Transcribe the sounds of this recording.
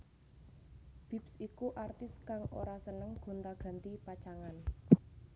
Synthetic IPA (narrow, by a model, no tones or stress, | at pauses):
b̥i̤psikuʔart̪ɪskaŋo̰ɾasənəŋɡ̥o̤nt̪aɡ̥ä̤nt̪ipat͡ʃaŋan